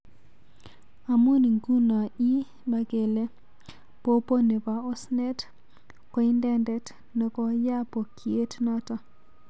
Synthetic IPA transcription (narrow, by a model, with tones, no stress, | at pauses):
a˨mu˦ni˨ŋɡu˦na˨i˦ | ba˦ke˨le˦ | po˦po˦ne˨ba˨ɔ˦sne˦t | kɔ˨i˦ndɛ˦ndɛ˦t | ne˨kɔ˦ja˦po˨kʰi˨e˦tnɔ˦ta˦